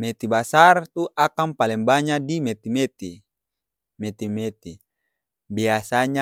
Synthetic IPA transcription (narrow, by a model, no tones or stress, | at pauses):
met̪ibasart̪uʔakampalɛmbaɲadimet̪imet̪i | met̪imet̪i | biasaɲa